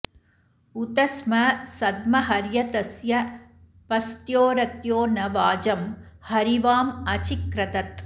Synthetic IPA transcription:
ut̪ɐsmɐsɐd̪̚mɐɦɐɾjɐt̪ɐsjɐ | pɐst̪joːɾɐt̪joːnɐʋaːd͡ʒɐmhɐɾiʋaːmɐt͡ʃikɾɐt̪ɐt̪

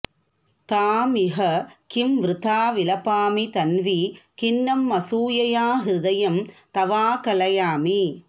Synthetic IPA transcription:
t̪aːmɪɦɐkɪmʋɾɪt̪ʰaːʋɪlɐpaːmit̪ɐnʋikɪnːɐmːɐsuːjɐjaːɦɾɪðɐjɐmt̪ɐʋaːkɐlɐjaːmi

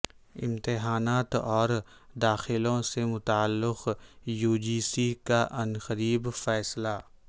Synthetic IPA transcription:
ɪ̰̃mt̪ɪɦaːnaːt̪ɔːɾd̪aːxɪlõsemʊt̪aːlːɪqjuːd͡ʒiːsikaʔɐnxəɾiːbfɛːsla

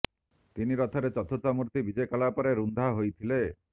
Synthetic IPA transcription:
t̪iniɾɔt̪ʰɔɾet͡ʃɔt̪ʰosamuɾt̪ibid͡ʒɔjkaɭapɔɾeɾund̪ʱaɦojt̪ʰile

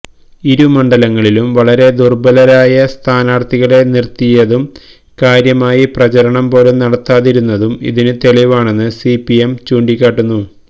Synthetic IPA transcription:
iɾumɐɳɖɐlɐŋːɐɭilumʋɐɭɐɾe̞d̪urbɐlɐɾaːjɐst̪ʰaːnaːrt̪iɣɐɭe̞nirt̪ːijɐðum | kaːɾjɐmaːjiprɐt͡ɕɐɾɐɳɐmpo̞ːlunɐɽɐt̪ːaːðiɾunːɐðumḭðinɨt̪e̞ɭiʋaːɳe̞nːɨsipiemt͡ɕuːɳɖikʲːaːʈːunːu

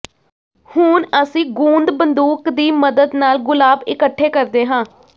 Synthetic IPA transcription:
hʊnəsĩːɡuːnd̪bənd̪uːkd̪iːməd̪əd̪naːlɡʊlaːbɪkəʈʰːeːkəɾd̪eːɦãː

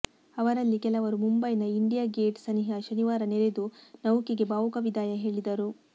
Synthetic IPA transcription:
ɐʋɐɾɐlːikɛlɐʋɐɾumumbɐjnɐiɳɖijaːɡeːʈsɐniɦɐʃɐniʋaːɾɐneɾed̪unɐwukiɡe̞baːʋukɐʋid̪ʱaːjɐɦe̞ːɭid̪ɐɾu

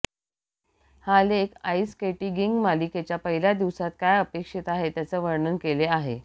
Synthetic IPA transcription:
halekaiskeʈiɡiŋɡmaliket͡ɕjapəɦilad̪iʋsat̪̚kajəpekʂet̪aɦet̪jat͡səʋəɾɳənkeleaɦḛ

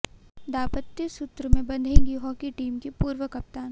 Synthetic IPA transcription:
d̪aːpət̪jəsut̪ɾəmẽbɐ̃nd̪ʱẽːŋɡiɦɔːkiʈiːmkepuːɾʋəkɐp̚t̪aːn

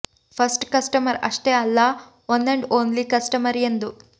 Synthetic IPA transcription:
pʰɐsʈkɐsʈɐmɐɾɐ̰ʂʈeːɐlːɐ | ɐnd̪eɳɖoːnlikɐsʈɐmɐɾend̪u

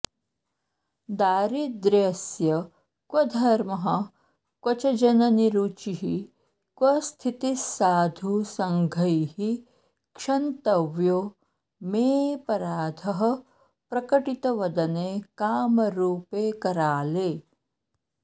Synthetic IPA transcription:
d̪aːɾid̪ɾeɐsjɐ | kwɐd̪ʱɐɾmɐɦɐ | kwɐt͡ʃɐd͡ʒɐnɐniɾut͡ʃiɦi | kʋɐst̪ʰit̪isaːd̪ʱusɐŋɡʱɐjhi | kʂɐnt̪ɐʋjoː | meːpɐɾaːd̪ʱɐɦɐ | pɾɐkɐʈit̪ɐʋɐd̪ɐneːkaːmɐɾuːpeːkɐɾaːleː

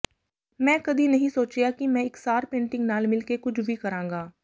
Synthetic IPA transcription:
mɛ̃ːkɐd̪ʱinɐɦĩːsoːt͡ʃjaːkimɛ̃ːɪksaːɾpẽːɳʈɪ̃ŋɡnaːlmɪlkekʊd͡ʒʰʱbʱikɐɾãːŋɡaː

